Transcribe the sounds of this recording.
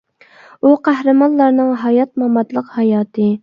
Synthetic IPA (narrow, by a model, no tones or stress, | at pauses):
uqæhɾɨmɑnlˠɑɾnɨŋɦɑjɑt̪̚mɑmɑt̪lˠəqhɑjɑːt̪ʰɨ